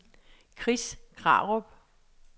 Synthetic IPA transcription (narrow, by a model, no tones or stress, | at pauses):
kʰʁiskʰʁɑ̰̈ʁob̥